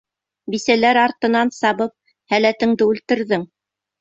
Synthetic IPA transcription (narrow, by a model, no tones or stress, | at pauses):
bisælæɾɑɾt̪ɤ̆nɑnsɑβɤp̚ | hælæt̪ɘ̆ŋd̪ɘʉlt̪ɘ̆ɾðɘŋ